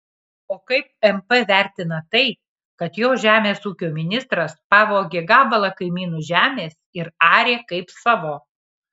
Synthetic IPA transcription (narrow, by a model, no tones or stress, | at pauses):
oːkɐɪp̚ɛmpɛʋʲæˑɾʲt̪ʲɪnɐt̪ɐɪ | kɐt̪joːʒʲæːmʲeːsuːkʲoːmʲɪnʲɪst̪ɾɐspɑːʋoːɡʲeɡɑːbɐlˠɐkɐɪmʲiːnuːʒʲæːmʲeːsɪɾɑːɾʲeːkɐɪpsɑːʋoː